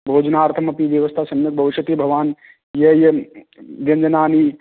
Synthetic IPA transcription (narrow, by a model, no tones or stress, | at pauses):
bʱoːd͡ʒnaːɾt̪ʰɐmɐpiʋjɐʋɐst̪ʰaːsɐmjuk̚bʱɐʋiʃɐt̪ibʱɐʋaːn | jɐje | ɡɐnd͡ʒɐnaːni